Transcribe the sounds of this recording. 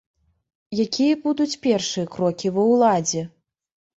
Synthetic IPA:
jakʲijɐbud̪ut͡sʲpʲɛrʂɨjɐkɾɔkʲivɐwlˠad͡zʲɛ

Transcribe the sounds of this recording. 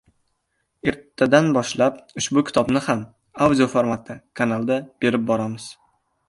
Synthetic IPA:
e̞ɾt̪ʰːad̪anbɒʃlapʊʃbʊkʲʰɪ̥t̪ʰɒbnɪham | awd̪ʲio̞foɾmat̪ʰːɪkʰanalˠd̪ab̥e̞ɾɪp̚bɒɾamɪz̥

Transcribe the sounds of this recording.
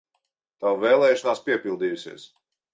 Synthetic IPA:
t̪awvɛːlˠɛːjʃɔnaːspiɛpʲilˠd̪iːjusḭɛs

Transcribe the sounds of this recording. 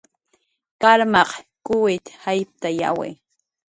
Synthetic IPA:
kaɾmɑqkʊwɪt̪hajp̚t̪aja̰wḛ

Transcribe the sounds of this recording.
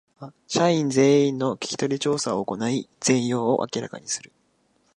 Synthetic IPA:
βa | ɕaĩnd͡ze̞ːĩnːo̞kʲi̥kʲi̥t̪o̞ɾʲit͡ɕo̞ːsaoːko̞naiz̥ẽ̞ɰ̃jo̞ːoʔa̰kʲiɾa̰ka̰ɲ̟isɨɾɯ̟

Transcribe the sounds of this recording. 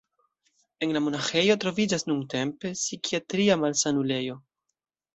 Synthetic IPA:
e̞nlamo̞naxe̞jo̞tɾo̞vid͡ʒasnuŋte̞mpe̞sikiatɾiamalsanule̞jo̞

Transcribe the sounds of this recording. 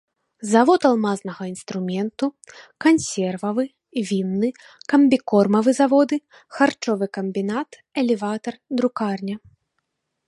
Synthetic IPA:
zavɔt̪alˠmaznɐɣɐinst̪ɾumʲɛnt̪ukansʲɛrvɐvɨ | vʲinːɨ | kɐmbʲikɔrmɐvɨzavɔd̪ɨ | xart͡ʂɔvɨkɐmʲbʲinat̪ | ɛlʲɛvat̪ɐrd̪ɾukarnʲɐ

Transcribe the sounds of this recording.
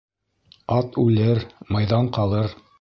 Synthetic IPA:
ɑt̪ʉlɘɾmɤ̆jðɑɴqɑlˠɤɾ

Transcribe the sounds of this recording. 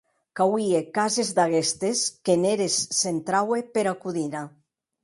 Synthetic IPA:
kawiekazezd̪aɣest̪eskeneɾesːent̪ɾawepeɾakuðiɾa

